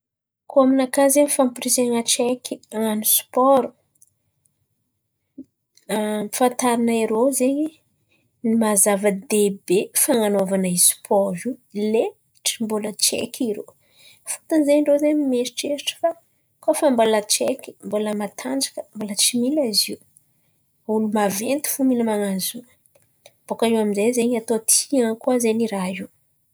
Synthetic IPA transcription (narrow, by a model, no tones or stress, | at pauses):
koaminakazeɲifampiɾizeŋət͡ʃɛkʲʰiaŋanuspɔɾu̥ | mfant̪aɾinəeɾozeɲi | nimazavəd̪ebefaŋanovanaispʰɔvile | ʈ͡ʂimbulət͡ʃḛkʲʰiɾo̰ | fu̥t̪anizeɲɳɖ͡ʐozemimeʃi̥ʈ͡ʂesiʈ͡ʂə̥fa | kofambolət͡ʃekʲi̥mboləmat̪ʰand͡ʒakəmbolət͡ʃimilaziw | ulumavent̪i̥fuminəmaŋaziw | b̥okaiwamizezeɲat̪ot̪ʰiaŋkuazeniɾaiw